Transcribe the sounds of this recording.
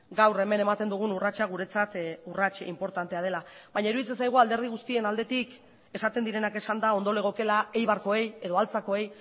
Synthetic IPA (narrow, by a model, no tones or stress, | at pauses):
ɡawre̞me̞nemat̪e̞nd̪uɣ̞unurat͡ʃaɣ̞uɾe̞t͡sat̪urat͡ʃimpo̞ɾt̪ant̪e̞aðe̞laβaɲaeiɾuðit͡se̞nsajɣ̞uald̪eɾð̞iɣ̞ust̪ie̞nald̪e̞t̪ik | e̞sat̪e̞nd̪iɾe̞nake̞sand̪ao̞nd̪o̞le̞ɣ̞o̞ke̞lae̞jβ̞aɾko̞e̞je̞ðo̞alt͡sako̞e̞j